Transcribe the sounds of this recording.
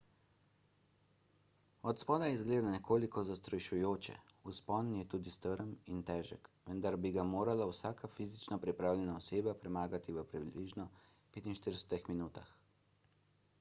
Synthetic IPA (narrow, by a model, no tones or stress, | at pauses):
ɔt̪spɔːd̪ajɛizɡleːd̪anɛkʰoːlikɔzast̪ɾɔjʃujoːt͡ʃɛ̰uspɔnjɛt̪uːd̪ist̪əɾəmint̪ɛːʒɛ̰kʋənd̪aɾbiɡamoːɾalawsaːkafizit͡ʃnɔpɾipɾaːwlʲɛnaɔseːbapɾɛmaːɡat̪iʋəpɾibliʒnɔpeːt̪inʃt̪iɾdə̥sɛ̥t̪ixminuːt̪ax